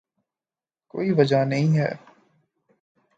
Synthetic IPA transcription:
ko̰ːiʋɐd͡ʒanɐɦĩːɦɛ̰ː

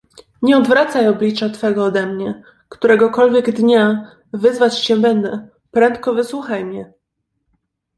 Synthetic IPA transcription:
ɲɛɔd̪vɾat̪sajɔblʲit͡ʂat̪fɛɡɔːd̪ɛmɲɛ | kt̪uɾɛɡɔkɔlvʲjɛɡd̪ɲa | vɘzvat͡ɕɕɛbɛnd̪ɛ | pɾɛnt̪̚kɔvɘswuxajmɲɛ

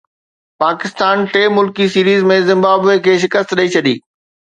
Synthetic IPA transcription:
paːkɪst̪aːnʈeːmʊlkisiːɾiːzmẽzɪ̃mbaːbekʰeːʃ̬ɪkəst̪ɗɐit͡ɕʰɐɗḭː

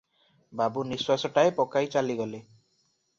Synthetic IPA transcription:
babuniswasɔʈaepɔkajt͡ʃaliɡɔle

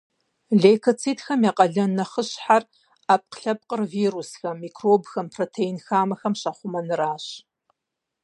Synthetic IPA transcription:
ɮejkʰot͡sʰiːdxɐmjaːqʼɐɮɐnɐχəɕħar | aːp̚qɬɐp̚qərviːrusxɐmːiːkʰroːbxɐmpʰroːtʰejnxaːmɐxɐmɕɐχʷʊmɐnɨraːɕ

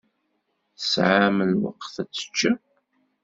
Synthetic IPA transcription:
θəsʕaməlwə̰qθæt͡sːə̥t͡ʃːa

